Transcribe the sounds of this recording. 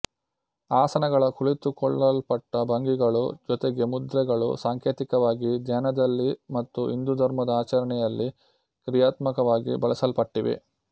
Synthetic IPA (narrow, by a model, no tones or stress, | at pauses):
aːsɐnɐɡɐɭɐkuɭit̪ukɔɭːɐlpɐʈːɐbɐŋɡiɡɐɭṵd͡ʒɔt̪eɡe̞mud̪ɾɛɡɐɭṵsaːŋkʰeːt̪ikɐʋaːɡid̪ɲanɐd̪ɐlːimɐt̪ːuʔind̪ud̪ʱɐɾmɐd̪ɐaːt͡ʃɐɾɐɳɛjɐlːi | kɾijaːt̪mɐkɐʋaːɡḭbɐɭɐsɐlpɐʈːiʋḛ